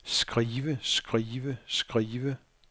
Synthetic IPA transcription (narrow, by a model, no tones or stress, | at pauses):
sɡ̥ʁiːʋəsɡ̥ʁiːʋəsɡ̥ʁiːʋə